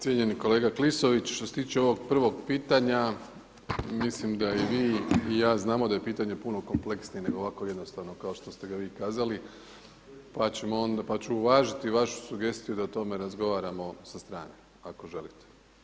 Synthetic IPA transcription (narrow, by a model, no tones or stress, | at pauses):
t̪sjeɲe̞niko̞le̞ːɡakliso̞ʋit͡ʃʃt̪oset̪iːt͡ʃeo̞ʋo̞ɡpr̩ʋo̞ɡpiːt̪aɲa | mislimd̪aiʋiːjaːznaːmo̞d̪aje̞piːt̪aɲe̞puno̞ko̞mple̞ksnijene̞ɡoʋako̞jed̪nost̪aʋno̞kao̞ʃt̪ost̪e̞ɡaʋiːkaːzali | pat͡ɕe̞moond̪apat͡ɕuuʋaːʒit̪iʋaʃu̥suɡe̞st̪ijud̪aot̪o̞me̞ɾazɡo̞ʋaːɾamo̞sast̪ɾa̰ːne̞ | ako̞ʒe̞lit̪e̥